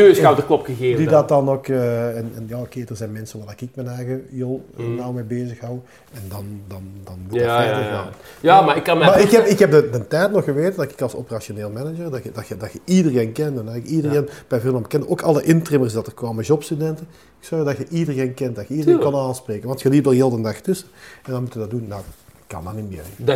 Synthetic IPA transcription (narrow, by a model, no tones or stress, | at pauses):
sawdəklɔpxəɣeːdidɑt̚dɑnokəɛnɛ̰njaːokeːdərzɛjnmɛnsəʋadɛkɪk̚mɛnɛɣəjolˠnawmɛbeːzəxɦɑw | ɛndɑndɑndɑnmutfɛtəa̰ | jamaɪkːɑmaːɪkhɛpɪkhɛp̚dədəntɛjtnɔxxəʋeːtədɑkɪ̥kɑlˠso̰pərasioneːlˠmɛnəd͡ʒərdɑxdɑtxədɑtxəidəreːnkɛntɛnɑɪkidəreːnb̥ɛjvɪlˠmɑmbəkɛndəʔoːkɑlˠəʔɪntrɪmərsdɑtərkʋoːməʒɔpstydɛntə | ksɔrɣdɑtxəʔidərɣeːnkɛnt̚dɑtxəidəreːnkonaːlˠspreːkənʋɑntxəliːdəljɪlˠdəndɑxtɵsəɛndɑnmutəʋədɑt̚dunːɔwkːɑ̰ndɑnimɪ̰ːr